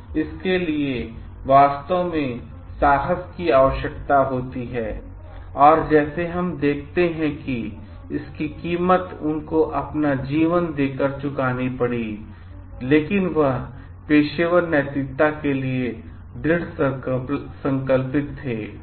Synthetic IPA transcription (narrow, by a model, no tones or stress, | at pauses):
ɪskelie | ʋaːst̪əʋmẽ | saːɦəskiaːʋəʃjək̚t̪aɦoːt̪iɦɛː | ɔːɾd͡ʒɛːseɦɐmd̪eːk̚ʰt̪eɦɛ̃ki | ɪskikiːmət̪ʊnkoʔɐpnad͡ʒiːʋənd̪eːkəɾt͡ʃʊkaːnipɐɽiː | leːkɪnʋəɦ | peːʃeːʋəɾnɛːt̪it̪ːakelie | ɖ̪ɪɽs | sə̃ŋkəlpɪt̪ʰːeː